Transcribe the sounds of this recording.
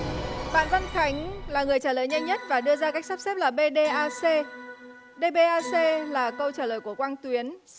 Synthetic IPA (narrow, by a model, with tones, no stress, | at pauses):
ɓa̰ː˧˨nva˧nxʰa˨˦jŋ̟laː˨˩ŋɨ˨˩əjt͡ɕaː˧˩ləː˨˩jɲa˧jŋ̟ɲə˦˥t̚vaː˨˩ɗɨ˧əzaː˧ka˦˥k̚sa˦˥p̚sɛ˦˥p̚laː˨˩ɓe˧ɗe˧ʔaː˧se˧ | ɗe˧ɓe˧ʔaː˧se˧laː˨˩kə˧wt͡ɕaː˧˩ləː˨˩jku˧˩əkwaː˧ŋt̪wi˨˦ən